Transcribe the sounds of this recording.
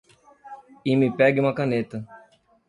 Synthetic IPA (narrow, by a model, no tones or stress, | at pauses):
imɪpɛɡɪũmɐkɐnet̪ɐ